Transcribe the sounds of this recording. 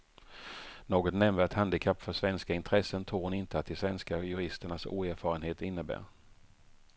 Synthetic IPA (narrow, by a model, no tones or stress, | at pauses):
noːɡɔt̪nɛmːət̪hand̪ɪkʰapːfœʂvɛnskaɪnt̪ʰɾɛsənt̪ʰɾuːɾhʊnɪnt̪əat̪ːɪsvɛnskajɵɾɪst̪əɳasṵːæɾfɑːɾənheːt̪ɪnːəbæ̰ːɾ